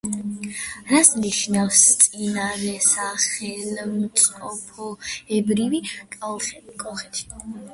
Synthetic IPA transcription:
ɾasniʃnafst̪sʼinaɾɛsaχɛlmt̪sʼqʼɔpʰɔɛbɾivikʼalˠχɛkʼɔχɛt̪ʰi̥

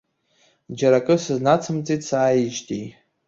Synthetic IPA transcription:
d͡ʒaɾakʼɨsɨznat͡sʰɨmt͡sʼitʰʼsaːjɪʒtʼi

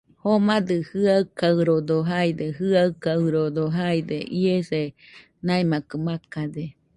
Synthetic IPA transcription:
homad̪ɯhɯakawɾod̪oɦajd̪eɦɯakawɾod̪oɦajd̪ḛʔiese | najmakɯmakade

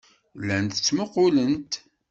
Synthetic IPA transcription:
lːænt̪ət͡sːməqːʊlənt̪

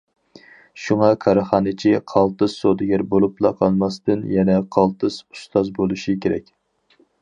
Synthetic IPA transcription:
ʃuŋɑkʰɑɾɨχɑːnɨt͡ʃʰiqʰɑlˠt̪ɨz̥sod̪ɪɡʲæɾbolˠuplˠɑ̰qʰɑlˠmɑst̪ɨnjɛnɛqʰɑlˠt̪ɨz̥u̥st̪ɑzbolˠuʃikʲʰeɾɛ̰kʲ

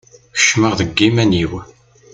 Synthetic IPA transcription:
çə̥ʃməʁðəɡːimæniw

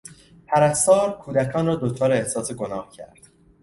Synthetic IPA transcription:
pʰæɾæst̪ɒːɾkʰuːd̪ækʰɒːnrɒːd̪ot͡ʃʰɒːɾeehsɒːseɡo̞nɒːhcʰæ̰ɾd̪̥

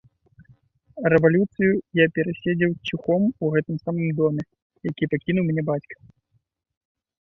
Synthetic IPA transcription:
ɾɛvalʲut̪sɨjujapʲɛɾasʲed͡zʲɛwt͡sʲuxɔmuɣɛt̪ɨmsamɨmd̪ɔmʲɛ | jakʲipakʲinuwmʲnʲɛbat͡sʲkɐ̥

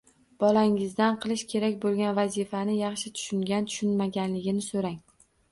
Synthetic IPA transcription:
b̥ɒlaŋɪzd̪anqʰɨlˠɪʃkʲʰe̞ɾakʲbolˠɡʲanvazɪfanɪjɑχʃɪt̪ʰʊ̥ʃʊŋɡʲant̪ʰʊ̥ʃʊnmaɡʲanlɪɡʲɪnɪsoɾaŋ

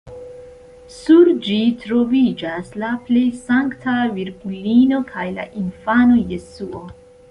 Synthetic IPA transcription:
suɾd͡ʒitɾo̞vid͡ʒaslaple̞jsaŋktʰaviɾɡulino̞kʰajla̰ʔinfano̞jesuo

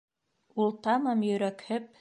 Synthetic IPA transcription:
ulˠt̪ɑmɑmjɵ̆ɾækhɘp̚

